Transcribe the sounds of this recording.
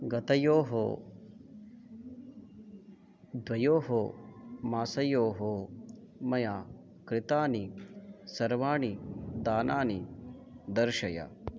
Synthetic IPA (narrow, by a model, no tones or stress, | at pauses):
ɡɐt̪ɐjoːɦo | d̪ʋɐjoːɦomaːsɐjoːɦo | mɐjaː | kɾɪt̪aːnisɐɾʋaːɳid̪aːnaːni | d̪ɐɾʃɐjɐ̰